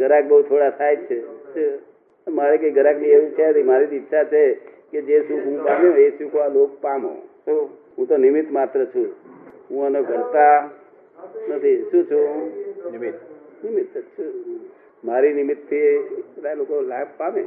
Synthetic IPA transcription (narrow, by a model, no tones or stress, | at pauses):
ɡʱəɾak̚bəɦut̪ʰoɽat̪ʰajt͡ʃʰet͡ʃe | maɾikeiɡʱəɾaknieʋũt͡ʃʰat̪imaɾit̪itːʃʰat͡ʃʰeked͡ʒeʃũɦũpamõeʃũkoʋalok̚pamõ̰t̪o | ɦũt̪onɪmɪt̪mat̪ɾət͡ʃʰũɦũənoɡʱəɾt̪a | nət̪ʰiʃũt͡ʃʰũnt̪nɪmit̪t͡ʃʰ | maɾinɪmit̪ʰːiet̪ajlokolakpamẽ